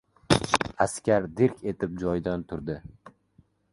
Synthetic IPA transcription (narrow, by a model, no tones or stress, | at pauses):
askʲaɾd̪eɾkʲe̞t̪ʰɪp̚d͡ʒɒjd̪ant̪ʰʊɾd̪ɪ